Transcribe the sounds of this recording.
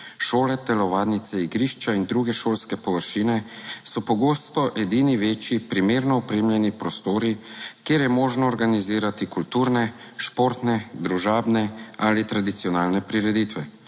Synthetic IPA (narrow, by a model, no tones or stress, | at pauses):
ʃoːlɛd̪ɛlɔʋaːdnit̪sɛiɡɾiʃt͡ʃaind̪ɾuɡɛʃoːlskɛpɔʋəɾʃiːnɛsɔpɔɡoːst̪ɔʔɛd̪iːniʋeːt͡ʃipɾimeːɾnɔɔpɾeːmljɛnipɾɔst̪oːɾikeːɾjɛmɔːʒnɔːɾɡaniziːɾat̪ikult̪uːɾnɛ | ʃpoːɾt̪nɛd̪ɾuʒaːbnɛalit̪ɾad̪it̪sijɔnaːlnɛpɾiɾɛd̪it̪ʋɛ